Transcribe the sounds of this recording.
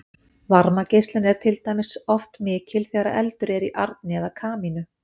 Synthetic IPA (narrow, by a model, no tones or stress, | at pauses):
vaɾmacejst̪lɪnɛɾ̥t̪ʰɪlt̪aːjmɪsɔft̪mɪːcɪlθɛːɣɾaɛlt̪ʏɾɛɾiʔaɾt̪̚nɪɛðakʰaːminʏ